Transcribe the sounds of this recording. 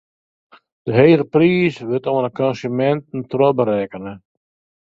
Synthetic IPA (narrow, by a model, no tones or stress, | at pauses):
d̥əɦeːɾəpriːsʋɪtoənəkɔnsymɛntn̩trɔbəɾɛːkənə